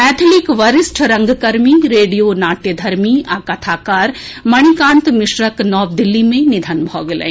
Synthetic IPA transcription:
ɛːt̪ʰlikʋɐɾɪsʈʰɾɐŋɡkɐɾmiɾeːɖijoːnaːʈed̪ʱɐɾmiaːkɐt̪ʰaːkaːɾ | mɐɽ̃ikãːnt̪mɪʃɾɐknɔːbd̪ilːimẽnid̪ʱɐnbʱɔːɡlɐ̰̃

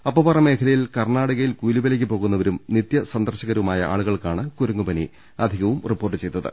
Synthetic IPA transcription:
ɐpːɐːpɐrɐme̞ːkʰɐlɐjilkɐrɳaːɽɐɣɐjilkuːlubɐlek̬ʲːɨpo̞ːɣunːɐʋɐɾumnit̪jɐsɐnd̪ɐrɕɐɣɐɾɐumaːjɐʔa̰ːɭuɣɐɭkaːɳɨkuɾɐŋːubɐni | ɐd̪ʱiɣɐʋumripːo̞ːrʈːɨt͡ɕe̞jt̪ːɐðɨ̰

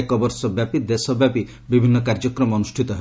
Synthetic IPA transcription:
ekɔbɔɾsɔbjapid̪esɔbjapi | bibʱinːɔkaɾd͡ʒɔkɾɔmɔːnusʈʰit̪ɔɦe

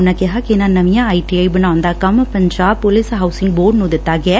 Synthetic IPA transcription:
nakeɦakenãːnɐmijãːɐjʈiɐjbɪnãːʋɐnd̪aːkɐmpɐɲd͡ʒaːpolɪsɦɐʊsɪ̃ŋɡ̚boːɖnũːd̪ɪt̪ːaːɡɛː

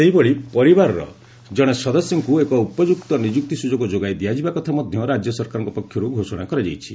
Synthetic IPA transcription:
seɦibɔɭipɔɾibaɾɔɾɔ̰ | d͡ʒɔɽ̃esɔd̪ɔsjɔŋkuekɔupɔd͡ʒukt̪ɔnid͡ʒuk̚t̪isud͡ʒoɡɔd͡ʒoɡajd̪iad͡ʒibakɔt̪ʰamɔd̪ʱjɔɾad͡ʒjɔsɔɾkaɾɔŋkɔpɔkʰːjɔɾuɡʱosɔɽ̃akɔɾed͡ʒa̰jt͡ʃʰi̥

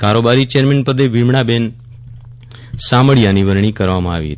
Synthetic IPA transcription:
kaɾobaɾit͡ʃeɾmenpəd̪eʋimɳ̃aben | saməɭijaniʋəɾɳ̃ikəɾʋamãa̰ʋḭɦə̰t̪i

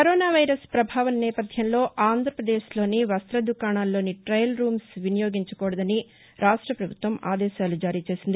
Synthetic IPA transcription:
kɐɾoːnaːʋɐjɾɐspɾɐbʱaːʋɐnːɛːpɐd̪ʱjɐmlo̞ːʔaːnd̪ʱɾɐpɾɐd̪eːʃlo̞ːniʋɐst̪ɾɐd̪ukaːɳaːlːo̞ːniʈɾɐjlɾuːmsʋinɐjoːɡiɲt͡ʃukɔːɽɐd̪ɐni | ɾʔaːʂʈɾɐpɾɐbʱut̪ʋɐma̰ːd̪ɛːʃaːlud͡ʒaːɾiːt͡ʃe̞ːsind̪i

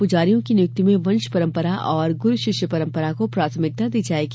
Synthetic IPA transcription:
pʊd͡ʒaːɾijõkinɪjʊkt̪imẽʋɐ̃nʃpɐɾə̃mpəɾaʔʔɔːɾɡʊɾʃɪʃjəpɐɾə̃mpəɾakopɾaːt̪ʰəmɪk̚t̪ad̪iːd͡ʒaːeɡ

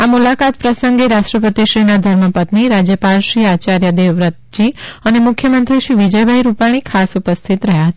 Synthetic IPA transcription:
amulakat̪̚pɾəsəŋɡeɾaʃʈɾəpət̪iʃɾinad̪ʱəɾməpət̪niɾad͡ʒjəpalʃɾiat͡ʃaɾjəd̪eʋɾət̪̚d͡ʒiənemʊkʰjəmənt̪ɾiʃɾiʋid͡ʒəjbʱaiɾupaɽ̃ikʰasupəst̪ʰit̪ɾəɦjaɦət̪a

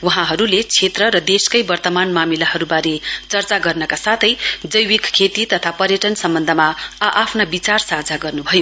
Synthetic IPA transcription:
wuɦãɦʌɾulet͡sʰet̪rʌɾʌd̪eskʌjbʌrt̪ʌmanmamilahʌɾubaɾet͡sʌrt͡saɡʌrnʌkasat̪ʰʌjd͡zʌjwikkʰːet̪it̪ʌt̪ʰapʌrjʌʈʌnsʌmbʌnd̪ʱʌmaʔapʰnabit͡sarsad͡zʱaɡʌrnubʱʌjo

